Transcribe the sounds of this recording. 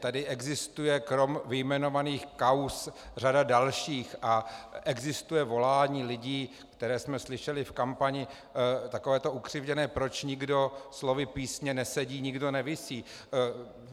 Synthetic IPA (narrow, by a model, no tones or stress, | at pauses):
t̪adɪʔɛɡzɪst̪ujɛkɾo̞mvɪjmɛno̞vaniːxkawsradadalʃiːxʔaʔɛɡzɪst̪ujɛvo̞laːɲiːlɪɟiː | kt̪ɛɾɛːsmɛslɪʃɛlɪfkampaɲɪ | t̪akovɛːt̪oʔukr̝̥ɪvɟɛnɛːpɾo̞t͡ʃɲɪɡdo̞slo̞vɪpiːsɲɛnɛsɛɟiːɲɪɡdo̞nɛvɪsiː